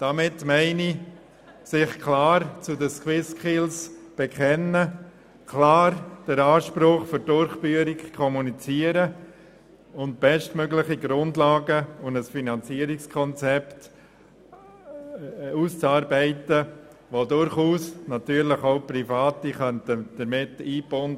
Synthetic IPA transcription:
d̥ɑmɪtmɛɪni | sɪχkʰlaːɾt͡sʊdəskwɪskʰɪlsb̥ɛkʰɛnə | kʰlaːɾd̥əɾaːʃpɾʊχfʏɾdʊɾχb̥yəɾikkʰɔmunit͡siəɾə | ʊnt̚b̥ɛʃtmøɡlɪχiɡɾʊndlɑːɡəʊndəsfinɑnt͡siəɾɪkskʰɔnt͡sɛpt | uːst͡sɑːɾbɛɪtə | ʋodʊɾχuːsnɑtyːəɾlɪχoʊprifaːtiχœntəd̥əɾmɪtiːbɔn

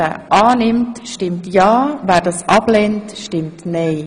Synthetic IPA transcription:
ə̰ʔɑːnɪmtʃtɪmtjɑːvɛːɾdɑːsʔɑblɛntʃtɪmtneɪ

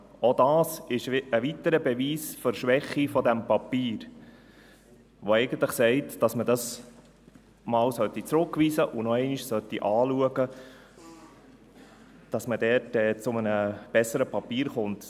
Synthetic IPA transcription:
odɑːsɪʃəʋitəɾəbɛviːsføɾʃʋɛχifɔdæmpɑpiːɾ | ʋoɛɪɡən̩t̪ləχsɛɪtd̥ɑsmədɑs | mɑːlsœtit͡sɾʊkʋiːsəʔʊnɔɛɪniʃsœtːiʔɑːluəɡə | d̥ɑsmədɛɾtɛːt͡sʊmənəb̥ɛsːəɾəpʰɑpiːɾχʊnt

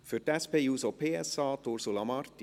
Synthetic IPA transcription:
føʈ̪ɛspeːʉːsopʰeːɛsɑːt̪ʰuɾsulɑmɑɾt̪

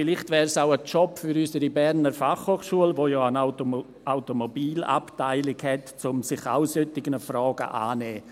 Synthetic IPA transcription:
fɪlɪχtvɛːɾsaʊət͡ʃɔpfyɾysəɾibɛɾnəɾfaχhoːχʃuəlvoːjɔːana | aʊtomobiːla̰ptaɪlɪɡhɛtt͡sʊmsɪχa̰ʊsøtːɪɡənəfrɔːɡ̥ə̰ʔa̰ːnɛː

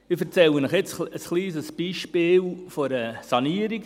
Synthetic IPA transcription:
mɪfəɾt͡sɛlənəχjɛt͡səsχliːsəsb̥iːʃpiːlfɔɾəsaniːəɾɪɡ

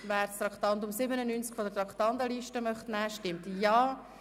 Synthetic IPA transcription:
væːɾst̪ɾɑkt̪ɑnd̪ʊmsɪbənənynt͡skfɔdət̪ɾɑkχt̪ɑnd̪əliʃtəmœχtnɛːʃtɪmtjɑː

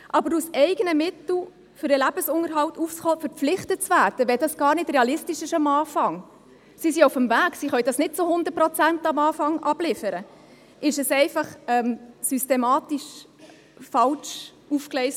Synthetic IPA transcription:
ʔɑbəɾusɛɪɡənəmɪtl̩ | fʏɾəlæb̥əsʊŋəɾɦɑltufsχɔːfəɾp͡flɪχtət̚t͡svæɾd̥əʋɛdɑsɡ̥ɑːɾnɪd̥rɛɑlɪstiʃɪʃɑmɑːfɑŋ | sisiʊfəmvæːɡsiχœʏd̥ɑsnɪtt͡sohʊnd̪ət̚prɔt͡sæntɑmɑːfɑŋʔɑb̥lɪfəɾə | ʔɪʃɛsɛɪfɑχɛmsystemɑːtiʃ | fɑlt͡ʃ | ufklɛɪs

